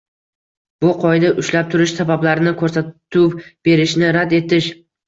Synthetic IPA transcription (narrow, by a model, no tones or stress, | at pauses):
b̥ʊqʰɒjd̪aʔʊʃlap̚t̪ʰʊɾɪʃsabablaɾɪnɪkʰɵɾsaʊwb̥e̞ɾɪʃnɪɾad̪e̞t̪ʰɪʃ